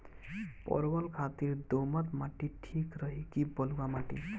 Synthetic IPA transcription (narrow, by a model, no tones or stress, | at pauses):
pɔ̰ɾɡɔlkʰat̪iɾd̪omat̪maʈiʈʰikɾɔɦikibɔlɡamaʈḭ